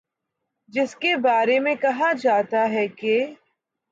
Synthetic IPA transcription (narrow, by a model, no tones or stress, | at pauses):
d͡ʒɪskebaːɾemẽkɐɦad͡ʒaːt̪aɦɛke